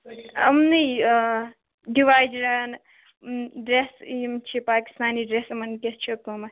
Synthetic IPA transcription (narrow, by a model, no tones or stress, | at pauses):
ɐ̰mnɐj | ɖiʋaːjd͡ʒɾan | ɖɾesmt͡ʃʰipaːki̥st̪aːniɖɾesmɐnkʲest͡ʃʰikːomɐ